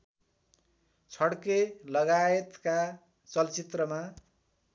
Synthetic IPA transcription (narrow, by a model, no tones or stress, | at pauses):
t͡sʰʌɽkelʌɡaet̪ka | t͡sʌlt͡sit̪rʌma